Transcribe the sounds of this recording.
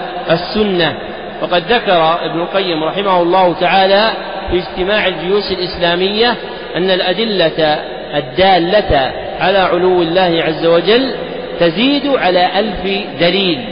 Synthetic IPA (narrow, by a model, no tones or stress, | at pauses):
ʔasːʊnːa | wɑqɑd̪ðakɑɾˤɑʔɪbnʊlqɑjːɪmɾˤɑħɪmahʊlˤːɑːhʊt̪aʕaːlaː | fid͡ʒt̪ɪmaːʕɪld͡ʒʊjuːsɪlʔɪslaːmɪjːa | ʔanːalʔad̪ɪlːa | ʔad̪ːaːlːa | ʕalaːʕʊlʊwːɪlːaːhɪʕazːawad͡ʒalː | t̪aziːd̪ʕalaːʔalfd̪aliːl